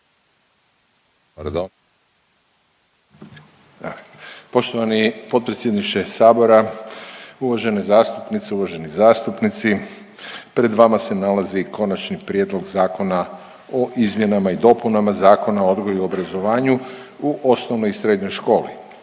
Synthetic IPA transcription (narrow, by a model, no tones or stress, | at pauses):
aɾd̪o | po̞ʃt̪oʋanipo̞t̪̚pɾet̪sjed̪niʃt̪e̞saːbo̞ɾa | uʋaʒe̞nezaːst̪upnit̪seuʋaʒe̞nizaːst̪upnit̪si | pɾe̞d̪ʋamase̞nalazikʰo̞nat͡ʃnipɾje̞d̪lˠo̞ɡzaːko̞na | o̞ʔizmje̞namaid̪o̞punamazaːko̞naood̪ɡojuio̞bɾazo̞ʋaːɲu | uʔo̞snoʋnojsɾe̞ːd̪ɲo̞jʃko̞ːlḭ